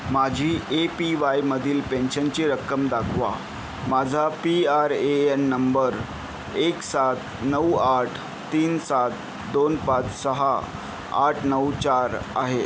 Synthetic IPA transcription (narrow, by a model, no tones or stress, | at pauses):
mad͡ʑʱiːʔepiʋajməd̪ʱiːlpẽnɕənt͡ɕiɾəkːəmd̪akʰʋa̰ | mad͡zʱapiaɾeenːəmbəɾ | eksat̪ | nəwaʈ̪ʰː | iːnsat̪ | d̪onpat͡ssəɦa | a̰ʈʰnəwt͡ɕaɾa̰ɦe